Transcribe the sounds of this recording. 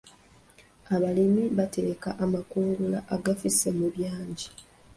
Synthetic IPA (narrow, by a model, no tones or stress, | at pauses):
aβalimiβatekaʔːmakuːŋɡulaʔaɡafisemuβjaːɲɟi